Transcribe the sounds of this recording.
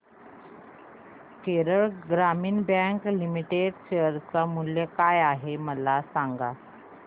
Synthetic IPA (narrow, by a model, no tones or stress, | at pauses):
keɾəɭɡɾamiːnbãŋklimiʈeɖɕeəɾt͡samuljəkajaɦeməlasaŋɡa